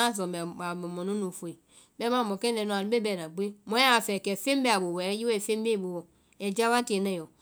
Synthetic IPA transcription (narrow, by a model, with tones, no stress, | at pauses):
a˦˨zo˨m˨a˨me˨mo˨nu˦nu˨fu˨i˨ | bɛ˦ma˦˨mo˨ke˦e˨no˦a˨n˦e˦bɛ˦˨na˨ɡ͡be˦mõ˦a˦˨fɛ˨kɛ˨fe˦m˦be˦a˨bo˨wɛ˨˦ji˦ɛ˦˨fe˦m˦be˦˨bo˨wo˨ | ɛ˨d͡ʒa˦wa˦te˨ne˦˨jo˨